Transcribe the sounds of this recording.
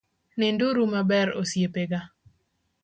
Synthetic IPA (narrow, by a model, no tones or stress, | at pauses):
nɪnduɾumabɛɾo̰sjepeɡa